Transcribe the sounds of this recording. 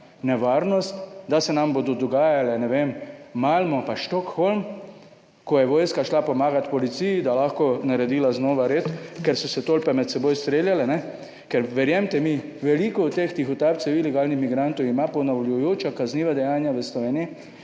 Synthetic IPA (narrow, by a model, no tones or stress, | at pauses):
nɛʋaɾnɔst̪d̪asɛnambod̪ɔd̪ɔɡaːjalɛnɛʋemmalmɔpaʃt̪ɔkxolm | kɔjɛʋɔːjskaʃlapɔmaːɡat̪pɔlit̪sijid̪alaxkɔnaɾɛd̪iːlaznɔːʋaɾeːt̪kɛɾsɔsɛt̪olpɛmɛt̪sɛbojst̪ɾeːljalɛnɛ | kɛɾʋɛɾjɛmt̪ɛmi | ʋɛlikɔɔt̪t̪ːext̪ixɔt̪apt̪sɛwilɛɡaːlnixmiɡɾant̪ɔwimapɔnawljujoːt͡ʃakazniːʋad̪ɛjaːnjaʋəslɔʋeːniji